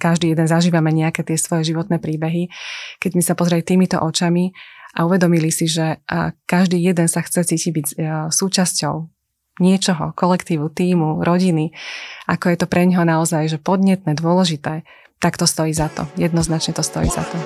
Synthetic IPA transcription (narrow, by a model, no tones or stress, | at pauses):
kaʒd̪iːjɛd̪ɛnzaʒiːʋamɛɲɛakɛːt̪ɪɛsʋɔjɛʒiʋɔt̪nɛːpɾiːbɛɦikɛɟmisapɔzɛɾɛlit̪iːmit̪ɔ̰ʔɔt͡ʃamiʔa̰uʋɛd̪ɔmilisiʒɛkaʒd̪iːjɛd̪ɛnsaxt͡sɛt͡siːciɟbiɟsuːt͡ʃascɔʊ | ɲɪɛt͡ʃɔɦɔ̰kɔlɛkt̪iːʋut̪iːmuɾʔɔɟiniʔakɔjɛt̪ɔpɾʔɛɲɦɔnaɔzajʒɛpɔd̪ɲɛt̪nɛːd̪ʊɔlɛʒit̪ɛː | t̪akt̪ɔst̪ɔjiːzat̪ɔ̰jɛd̪nɔznat͡ʃɲɛt̪ɔst̪ɔ̰jḭza̰t̪ɔ